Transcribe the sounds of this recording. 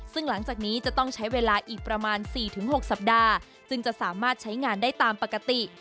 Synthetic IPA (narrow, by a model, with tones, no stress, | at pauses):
sɯ˥˩ŋla˩˦ŋt͡ɕaː˨˩k̚niː˦˥t͡ɕa˨˩t̪ɔ˥˩ŋt͡ɕʰa˦˥jweː˧laː˧ʔiː˨˩k̚pɾa˧maː˧nsiː˨˩t̪ʰɯ˩˦ŋɦo˨˩k̚sa˨˩p̚daː˧ | t͡ɕɯ˧ŋt͡ɕa˨˩ʔsaː˩˦maː˥˩t̪̚t͡ɕʰa˦˥jŋaː˧ndaː˥˩jt̪aː˧mpa˨˩kːa˧t̪i˨˩